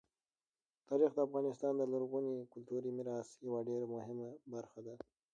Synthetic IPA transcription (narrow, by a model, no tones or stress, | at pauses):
t̪ɑːɾixd̪əːfɣɑːnɪst̪ɑːnd̪əloɾɣunikʊlt̪uɾimiɾɑːsjawaɖeɾamʊɦɪmabaɾxad̪a